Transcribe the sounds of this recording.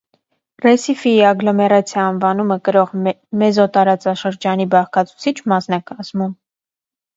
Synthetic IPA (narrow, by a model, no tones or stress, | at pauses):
rɛsifiɑɡlɔmɛrɑt͡sʰjɑːnvɑnuməkəɾɔʁ | mɛzɔt̪ɑɾɑt͡sɑʃəɾd͡ʒɑnibɑχkʰɑt͡sʰu̥t͡sʰit͡ʃʰmɑsnɑkɑzmum